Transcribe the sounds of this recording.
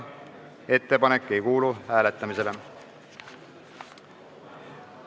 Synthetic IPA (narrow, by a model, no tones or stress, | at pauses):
e̞t̪ːe̞pɑne̞kːe̞jkuːluhæːle̞t̪ːˑɑmise̞le̞